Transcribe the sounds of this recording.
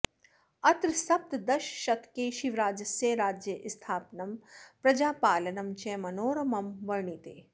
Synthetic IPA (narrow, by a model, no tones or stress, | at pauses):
ɐt̪ɾsɐp̚t̪d̪ɐʃʃɐt̪keːʃiʋɾaːd͡ʒɐsjeːɾaːd͡ʒjɐʔst̪ʰaːpnɐmpɾɐd͡ʒaːpaːlɐnɐmt͡ʃeːmɐnoːɾɐmɐmʋɐɾɳit̪eː